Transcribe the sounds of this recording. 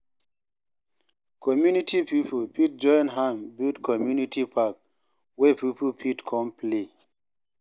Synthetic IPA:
kʰɔmjunitʰipipʰopit̚d͡ʒɔ̃nɦãmbildkʰɔmjunitipʰak̚ | wɛpipʰopʰitkʰɔ̃mple

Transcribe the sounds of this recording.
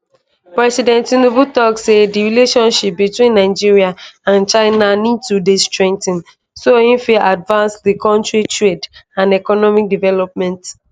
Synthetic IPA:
pɹɛsidɛ̃ntinubutɔksediɹileʃɔ̃nʃip̚bitwĩnːaɪd͡ʒiɹiaãnt͡ʃaɪnanidtudestɹɛ̃ŋk̚tĩn | sohĩnfilʔadvãnsdikɔ̃ntɹitʰɹedãnɛkɔnɔmik̚divɛlɔp̚mɛ̃nt

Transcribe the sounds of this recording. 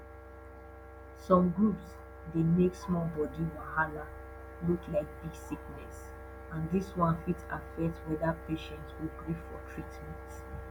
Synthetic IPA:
sɔ̃mɡɹups | demeksmɔbɔdiwãhala | luklaɪk̚disiknɛs | ãndiswãnfitʰafɛtwɛdapʰeʃɛ̃ntswiɡɹifɔtʰɹitmɛ̃nt

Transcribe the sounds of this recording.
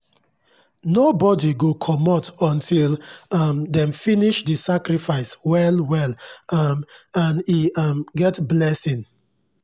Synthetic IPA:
nobɔdiɡokʰɔmɔtɔ̃ntʰilʌmdɛ̃mfiniʃdəsakɹifaɪswɛlwɛlmãniʌmɡɛtblɛsĩn

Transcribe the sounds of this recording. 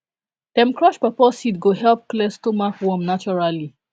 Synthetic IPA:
tɛ̃mkɹɔʃpapɔsitɡoɦɛlp̚klestomakwɔmnat͡ʃɔɹali

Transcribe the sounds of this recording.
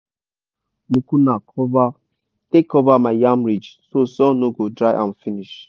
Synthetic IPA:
nukunakʰɔva | tekʰːɔvamaɪjãmɹid͡ʒsosɔ̃noɡodɹaʔã̰nfiniʃ

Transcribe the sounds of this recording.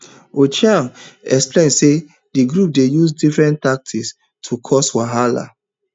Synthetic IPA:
ot͡ʃjãmɛksplẽnse | diɡɹup̚dejusdifɹɛ̃ntak̚tʰis | tʰukʰɔswaɦala̰

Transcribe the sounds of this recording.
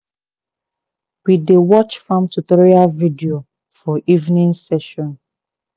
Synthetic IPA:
widewɔt͡ʃfɔ̃mtutɔɹialvidio | fɔʔivnĩnsɛʃɔ̃n

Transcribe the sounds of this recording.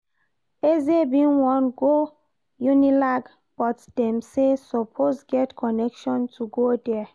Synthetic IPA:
ezebĩnwɔ̃nɡo | junilaɡ | b̥ɔtd̥ɛ̃msesɔpʰosɡɛtkʰɔnɛkʃɔ̃ntʰuɡodɛ

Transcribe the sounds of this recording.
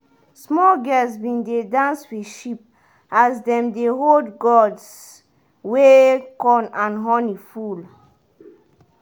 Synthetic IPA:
smɔlɡɛsbĩndedãnswiʃip̚ | azdɛ̃mdeɦoldɡɔds | wekɔ̃nãnɦɔniful

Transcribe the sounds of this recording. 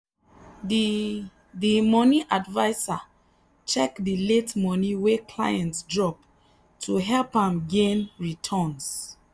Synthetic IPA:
dimɔniʔadvaɪsa | t͡ʃɛkdiletmɔniwekʰla̰jɛ̃ntsdɹɔp | tʰuɦɛlpãmɡẽnɹitʰɔns

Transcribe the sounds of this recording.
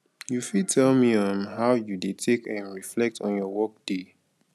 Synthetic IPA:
jufid̚tʰɛlmiə̃nɦaʊjudetʰekɛ̃nɹiflɛk̚tʰɔ̃njɔwɔk̚d̥e

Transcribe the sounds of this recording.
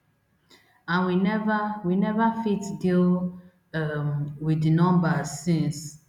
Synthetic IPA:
ãnwinɛvawinɛvafitdil | widnɔ̃mbasĩns

